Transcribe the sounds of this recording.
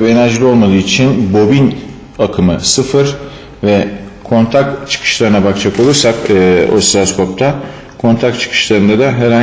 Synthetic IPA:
be̞næɾʒilʲio̞lˠmad̪ˠɯːt͡ʃʰinbo̞bin | akʰɯmɯsɯfɯɾ̥ | vɛ | kʰo̞nt̪ʰak̚tt͡ʃʰɯ̥kʰɯ̥ʃlˠaɾɯnabakt͡ʃʰako̞lˠuɾsakːo̞̰silʲaskʰo̞p̚t̪ʰa | kʰo̞nt̪ʰak̚t͡ʃʰɯ̥kʰɯ̥ʃlˠaɾɯnd̪ad̪aɦeɾa

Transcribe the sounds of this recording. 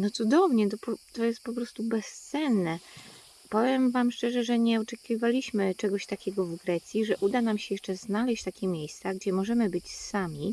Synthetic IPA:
nɔt̪sud̪ɔvɲɛt̪ɔpɔt̪ɔjɛst̪̚pɔpɾɔst̪ubɛst̪sɛnːɛ | pɔvʲjɛmvamʂt͡ʂɛʐɛʐɛɲɛɔt͡ʂɛkʲivalʲiɕmɘt͡ʂɛɡɔɕt̪akʲɛɡɔvɡɾɛt̪sʲjiʐɛʔud̪anamɕɛjɛʂt͡ʂɛznalɛɕt͡ɕt̪akʲɛmʲjejst̪saɡd͡ʑɛmɔʐɛmɘbɘt͡ɕsamʲi

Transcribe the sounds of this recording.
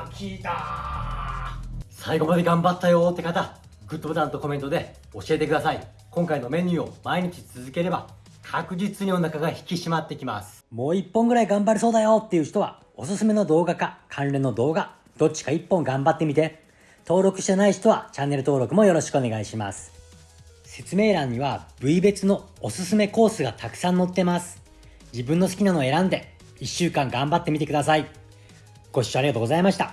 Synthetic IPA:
kʲit̪a | saiɡo̞mad̪e̞ɡãmbat̪ːajo̞t̪ːekat̪a | ɡɯt̪ːobot̪ãnt̪o̞ko̞mẽ̞nt̪od̪e̞ | o̞ɕie̞t̪e̞kɯd̪asai | kõŋkaino̞mẽ̞ɲʲɨːo̞maiɲ̟it͡ɕi̥t͡sɨzɨke̞ɾe̞ba | kʰakɯ̟d͡ʑit͡sɨɲʲionakaɡaçi̥kʲiɕimat̪ːekʲimasɨ̥mo̞ːipːõ̞ŋɡɯɾaiɡãmbaɾɯso̞ːd̪ajo̞t̪ːe̞jɯ̟ːçi̥t̪o̞βa̰ | o̞sɨsɨme̞no̞d̪o̞ːɡakakʰãnɾe̞nːo̞d̪o̞ːɡa | d̪̥o̞t͡ɕːi̥kaipːõ̞ŋɡãmbat̪ːe̞mʲit̪e̞ | t̪o̞ːɾo̞kɯ̟ɕt̪anaiɕt̪o̞β̞at͡ɕãnːe̞ɾɯ̟t̪o̞ːɾo̞kɯ̟mo̞jo̞ɾo̞ɕi̥kɯo̞ne̞ɡaiɕima̰sɨ̥ | se̞t͡sɨme̞ːɾãɲ̟ːiβab̥ɯ̟ibe̞t͡sɨno̞osɨsɨme̞ko̞ːsɨɡat̪akɯ̟̥sãnːo̞t̪ːe̞masɨ̥ | d͡ʑibɯ̟̃nːo̞sɨ̥kʲinano̞e̞ɾãnd̪e̞ | iɕːɨːkãŋɡãmbat̪ːe̞mʲit̪e̞kɯ̟d̪asai | ɡ̥o̞ɕaɾiɡat̪oɡo̞zaimaɕi̥t̪a

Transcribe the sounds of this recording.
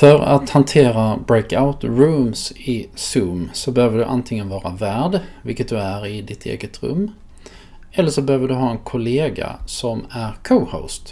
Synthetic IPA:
fœɾa̰t̪hant̪ʰeːɾabɾeːkaʊt̪ɾʉːmsɪsʉːmsɔbɛhøːvəɖɵʔa̰nt̪ʰɪŋənvɑːɾavæːɖvɪ̰lkːət̪̚d̪ɵæɾɪd̪ɪt̪ʰḛːɡət̪ɾɵ̰mː | ɛlːəʂɔbɛhøːvəɖɵɦɑːɛnkʰʊleːɡa̰sɔmæɾkʰohə̰ːst̪

